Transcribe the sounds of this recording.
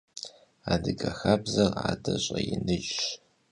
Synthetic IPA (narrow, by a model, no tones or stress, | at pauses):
aːdɨɡʼɐxabzɐraːdɐɕʼɐjɪnɨɕ